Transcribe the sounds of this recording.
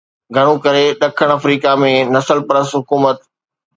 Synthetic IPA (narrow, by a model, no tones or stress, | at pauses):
ɡʱɐɽ̃ũkɐɾeɗɐkʰəɽ̃ɐfɾiːkamẽnɐsəlpɐɾəsɦʊkuːmət̪